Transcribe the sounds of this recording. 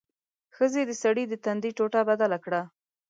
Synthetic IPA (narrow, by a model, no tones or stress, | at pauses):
xəzed̪əsaɽid̪ət̪and̪iʈoʈabad̪alakɽa